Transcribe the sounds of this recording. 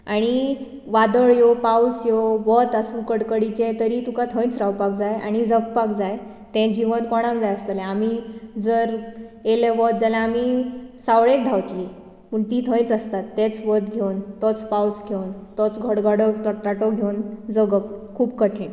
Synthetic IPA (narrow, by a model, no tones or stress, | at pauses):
aɽ̃i | ʋad̪əɭjopawsjoʋət̪əsũkəɽkəɽit͡ɕet̪əɾit̪ũkat̪ʰə̃j̃t͡sɾawpak̚d͡zaja̰ɽ̃id͡zəkpakd͡zaj | t̪ɛ̃d͡ʑiʋənkɔɽ̃amd͡zajəst̪əlɛ̃amiːd͡zəɾeleʋɔt̪̚d͡zalãamisaʋɭẽk̚d̪ʱawt̪li | pəɳt̪iːt̪ʰə̃j̃t͡səst̪at̪ːẽt͡sʋət̪ɡʱewnt̪ɔt͡spawsɡʱewnt̪ɔt͡sɡʱəɽɡʱəɽət̪ət̪aʈɔɡʱewnd͡zəɡək̚kʰuːbkəʈʰẽn